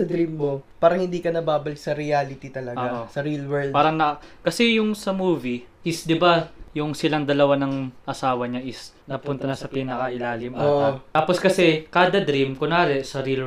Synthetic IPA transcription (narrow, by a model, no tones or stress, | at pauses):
sɐd̪ɾimmopaːɾɐŋhɪnd̪iːkɐnɐbaːbɐlɪksɐɾɪaːlɪt̪it̪ɐlɐɡʔoaʔosɐɾilwɛd̪paːɾɐŋnɐɐkɐsɛjʊŋsɐmuːviʔɪsd̪ɪbajʊŋsɪlɐŋd̪ɐlɐwanɐŋʔɐsaːwɐɲaʔɪs | nɐpʊnt̪ɐnɐsɐpinɐkɐʔɪlaːlɪmʔaoʔott̪aːposkɐsɛkaːd̪ɐd̪ɾimkonaːɾɛsɐɾil